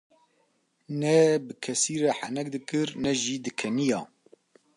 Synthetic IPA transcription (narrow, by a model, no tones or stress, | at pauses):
nɛbɨkʰɛsiːɾɛħanɛk̚d̪ɨkɨɾnɛʒiːd̪ɨkʰɛnijɑː